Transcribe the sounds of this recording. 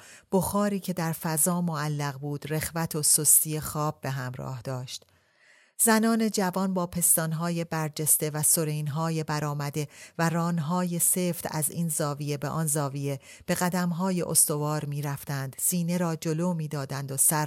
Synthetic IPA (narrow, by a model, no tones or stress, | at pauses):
b̥oxɒːɾiːcʰe̞d̪æɾfæzɒːmoælːæɣbuːd̪̥re̞xvæt̪ʰosost̪ije̞xɒːb̚ːe̞ɦæmɾɒ̰ːhd̪̥ɒːʃt̪ | zænɒːne̞d͡ʒævɒnbɒːpʰe̞st̪ɒnɦɒːje̞bæɾd͡ʒe̞st̪e̞væso̞ɾejnɦɒːje̞bæɾɒːmæd̪e̞væɾɒːnɦɒːje̞seːft̪æziːnzɒːvije̞beʔɒnzɒːvije̞ | b̥e̞ɣæd̪æmɦɒːje̞̰ʔo̰st̪o̞vɒːɾmiːɾæft̪ænd̪̥siːne̞ɾɒːd͡ʒo̞loːmiːd̪ɒːd̪ænd̪osæɾ